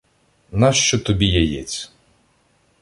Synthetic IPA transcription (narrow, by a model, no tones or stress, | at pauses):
nɑʃt͡ʃɔt̪ɔbʲijɛjɛt͡sʲ